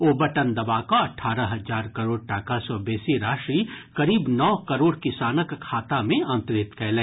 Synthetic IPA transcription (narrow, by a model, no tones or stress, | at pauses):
oːbɐʈənd̪ɐbaːkoɐʈʰːaːɾəɦɐzaːɾkɐɾoːɽʈaːkasɔbɛːsiɾaːʃɾikɐɾiːbnɔːkɐɾoːɽkɪsaːnəkkʰːaːt̪amẽɐ̃nt̪ɾɪt̪kʰɛːlẽː